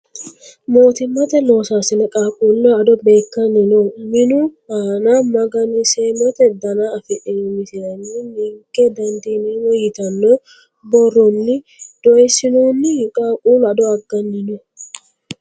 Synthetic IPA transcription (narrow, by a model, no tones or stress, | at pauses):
mo̞ːt̪ɪmːɐt̪ɛnoːsaːsɪnɐkʼaːkʼuːnːɔɐd̪ɔbe̞ːkːɐnːɪnɔmɪnʊaːnamɐɡɐnɪseːmɔt̪ɛd̪ɐnaɐfɪᶑɪmɪt̪ɪnɐnːɪmɪŋkʼːɛd̪ɐnd̪inenɔjɪt̪ɐnːɔ | bɔrːɔnːɪ | d̪̥ɔjsɪnunːɪkʼaːkʼuːnɐd̪ɔɐɡːɐnːɪnɔ